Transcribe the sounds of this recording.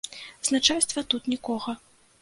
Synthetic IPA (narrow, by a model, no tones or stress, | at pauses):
znat͡ʂast̪vɐt̪ut̪nʲikɔɣɐ